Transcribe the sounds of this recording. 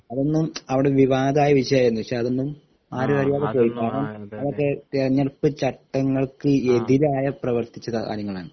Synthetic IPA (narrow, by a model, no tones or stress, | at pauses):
ɐðo̞nːumɐʋiɽe̞ʋiʋaːd̪aːjɐʋiʂɐjaːjɾunːuikʂeɐðo̞nːum | aːɾɐʋɐɾijaːðekoːjikːaːɳɐmɐʋɐkːe̞t̪erɐɲːɐrpːɨt͡ɕɐʈːɐŋːɐɭkɨe̞ðiɾaːjɐprɐʋɐrt̪it͡ɕːɐðɐa̰ːɾjɐŋːɐɭaːɳɨ